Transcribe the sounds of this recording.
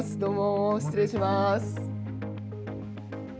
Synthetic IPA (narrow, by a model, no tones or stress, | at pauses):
sɨd̪omoɕi̥t͡sɨɾeːɕimas